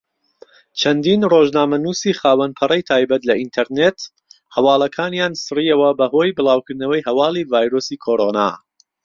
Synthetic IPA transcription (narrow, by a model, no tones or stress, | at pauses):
t͡ʃʰɐnd̪inroːʒnaːmɐnuːsiːχaːwɐnpʰɐrɐjt̪ʰaːjbɐt̪lɐʔint̪ʰɐɾnet̪ | hɐwɑːlˠɐkʰaːnjaːnsɨriːjɐwɐbɐɦoːjbɨlaːwkʰɨɾd̪nɐwɐjhɐwɑːlˠiːvaːjɾoːsiːkʰoːɾoːna̰ː